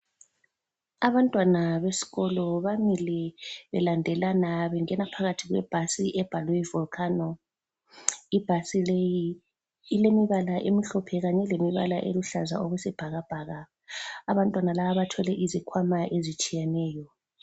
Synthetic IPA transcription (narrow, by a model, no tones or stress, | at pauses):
aβantʼwanaβesi̥ɣɔlɔβamilɛβɛ̰landʱɛlanaβɛŋɛnapʰaɣatʰiɣwɛ̰b̥ʱasiʔɛb̥ʱalwɛivulkʰʼanɔ | ib̥ʱasilejiː | lemiβalaʔemiɬɔpʰɛɣaɲɛlemiβa̰laʔḛluɬazaoɣusɛb̥ʱaɣab̥ʱaːɣaː | βantʼwanalaβaβatʰɔlɛʔizikʰwamaʔezit͡ʃʼijɛnɛːjɔ